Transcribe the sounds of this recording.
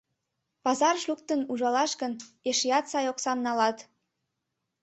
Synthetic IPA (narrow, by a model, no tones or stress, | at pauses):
pɑzɑrʃuk̚t̪ənuʒɑlɑʃkəneʃijɑt̪sɑjoksɑmnɑlɑt̪